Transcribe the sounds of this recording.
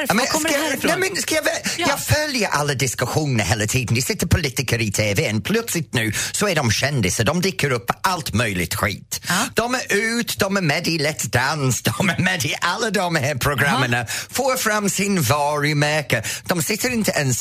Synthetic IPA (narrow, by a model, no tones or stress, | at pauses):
mskːnɛmɪnskiəvɛjafɜːljəʔa̰lədɪskəhʊŋnəhɛlətʰiːdⁿn̩disɪtəpʰʊlɪtɪkəɹitʰeːveːə̃npʰlʊtsɪtnʉːsowɛːdɔmʃɛndɪsədɔmdɪkəɹʊp̚əʔalˠtmœːlɪtʰw̥ḭːtd̥ɔməʔʉːtd̥ɔməmɛdilɛtd̥ansd̥ɔməmɛdiʔalədɔməhɛpʰɹ̥ɔɡɹamənəfɔːfɹamsɪnvɑːɹimɛːkəd̥ɔmsɪtəɹɪ̃ntʰəʔəns